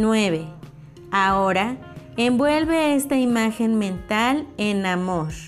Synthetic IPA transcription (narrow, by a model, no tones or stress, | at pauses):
nweβe | aoɾa | embwelβeest̪aimaxenmẽnt̪alenamoɾ